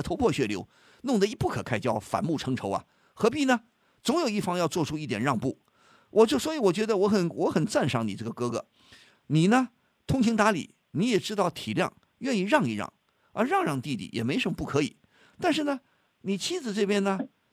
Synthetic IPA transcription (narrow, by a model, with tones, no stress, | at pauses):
t̪ʰo˧˥ʊpʰwɔ˥˩ɕɥɛ˥˩ljo˧˥ʊ | nʊ˥˩ŋd̪ə˩i˧˥pu˥˩kʰɤ˨˩kʰa˥ɪt͡ɕjɑ˥ʊfa̰˨˩nmu˥˩ʈ͡ʂʰɤ˧˥ŋʈ͡ʂʰo˧˥ʊɐ̰˨˧ | xɤ˧˥p̬i˧˩nə˧ | t͡sʊ˧˥ŋjo˨˩i˥˩fɑ˥ŋjɑ˥˧ʊt͡swɔ˥˩˧ʈ͡ʂʰu˥i˥˩t̪jɛ̰˨˩nɻɑ˥˧ŋpu˥˩ | wʔɔ˨t͡ɕjo˥˩ʊswɔ˧˥i˧˥wɔ˨˩t͡ɕɥɛ˧˥d̪ə˧wɔ˧˥xə˨˩nwɔ˧˥xə˨˩nt͡sa˥˧nʂɑ˧˥ŋni˨˩ʈ͡ʂɤ˥˩ɡə˩kɤ˧˥ɡɤ̰˧˥ | ni˨˩nə˦ | t̪ʰʊ˥ŋt͡ɕʰi˧˥ŋt̪a˧˥lḭ˨˩˦ | ni˧˥jɛ˨˩ʈ͡ʂɻ̩˥t̪ɑ˥˩ʊt̪ʰi˨˩ljɑ̰˥˧ŋ | ɥɛ˥˧ni˥˧ɻɑ˥˧ŋi˥˧ɻɑ̰˥˩ŋ | ə̰˧˥ɻɑ˥˧ŋɻɑ˥˧ŋt̪i˥˧t̪ḭ˥˩jɛ˨˩me˧˥ɪʂə˧˥mə˧pu˥˩kʰɤ˧˥ḭ˨˩˦ | t̪a˥˧nʂ̬ɻ̩˥˩nə˩ | ni˨˩t͡ɕʰi˥d͡zɹ̩˩ʈ͡ʂɤ˥˩pjɛ˥nə˧